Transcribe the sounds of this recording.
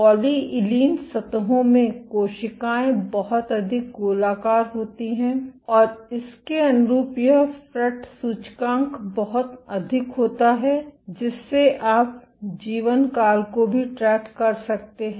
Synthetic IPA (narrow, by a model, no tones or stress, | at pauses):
ɔːliɪliːnsɐt̪əɦõmẽkoːʃɪkaːẽbɐɦɔt̪ɐd̪ʱɪk̚ɡoːlaːkaːɾɦoːt̪iɦɛ̃ːɔːɾɪskeɐnɾuːpjəfɾɛʈsuːt͡ʃkãːŋkbɐɦʊt̪ɐd̪ʱɪkɦoːt̪aɦɛd͡ʒɪsːeʔaːp | d͡ʒiːʋənkaːlkobʱiʈɾɛːkkɐɾsɐk̚t̪eɦɛ̃